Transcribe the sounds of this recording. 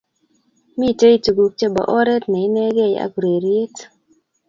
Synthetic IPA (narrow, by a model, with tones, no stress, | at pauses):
mi˦˨te˦i˨tu˨ɡu˨k̚t͡ʃe˦ba̰˨ʔɔ˦ɾɛ˦tnɛ˨i˦nɛ˦ɡɛ˦˨ja̰˦ku˨ɾe˨ɾje˦t